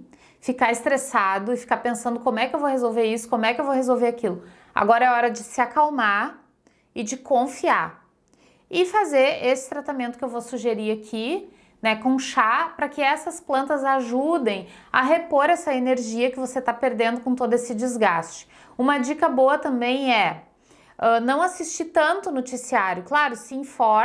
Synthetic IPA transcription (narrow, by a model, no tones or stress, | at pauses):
fikaɾɪst̪ɾesad̪ʊɪfi̥kaɾpẽsɐ̃nd̪ʊkõmʊɛkɪewvowhezowveɾisʊ̥kõmʊɛkɪewvowhezowveɾakilʊ | a̰ɡɔɾɐɛɔɾɐd͡ʒɪsɪakawmaɾ | ɪd͡ʒɪkõfiaɾ | ɪfazeɾesɪ̥t̪ɾat̪amẽnt̪ʊkɪewvosuʒeɾiɾakʰi | nɛkõʃapɾɐkɪɛsɐsplɐ̃nt̪ɐzaʒud̪ẽj̃ɐ̰ɦepoɾɛsɐeneɾʒiɐkɪvoset̪apeɾd̪ẽnd̪ʊkõt̪od̪ʊesɪd͡ʒɪzɡast͡ʃɪ̥ | ũmɐd͡ʒikɐboɐt̪ɐ̃mbẽj̃ɛ | ɛnɐ̃w̃asist͡ʃit̪ɐ̃nt̪ʊnot͡ʃisiaɾjʊklaɾʊsɪĩfɔ